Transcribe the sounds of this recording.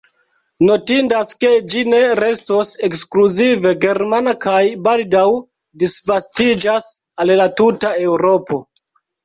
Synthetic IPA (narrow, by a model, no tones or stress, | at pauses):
no̞tindaske̞d͡ʒine̞ɾe̞sto̞se̞kskluzive̞ɡe̞ɾmanakajbaldaw | disvastid͡ʒas | allatutae̞wɾo̞po̞